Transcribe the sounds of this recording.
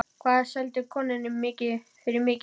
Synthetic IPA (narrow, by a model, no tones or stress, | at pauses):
kʰvaːðasɛlt̪ɪkʰɔːnɪnɪmmːɪːcɪ | fɪɾɪmɪːc